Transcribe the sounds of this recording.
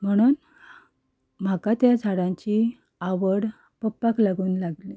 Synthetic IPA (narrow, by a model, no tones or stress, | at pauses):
m̤əɽ̃uːn | m̤akat̪jad͡zʱaɽãɲt͡ɕi | aʋəɽ | pəpːaklaɡuːnlaɡli